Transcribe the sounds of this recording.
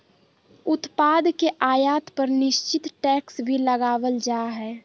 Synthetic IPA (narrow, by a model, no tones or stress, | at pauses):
ʊt̪paːd̪keʔaːjaːt̪pəɾnɪʃt͡ʃɪt̪ʈɛːksbʱiləɡaːwəld͡ʒaːɦɛː